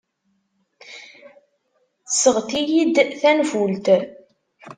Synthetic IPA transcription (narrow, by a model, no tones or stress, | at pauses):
θəsəʁθijid̪θænfult̪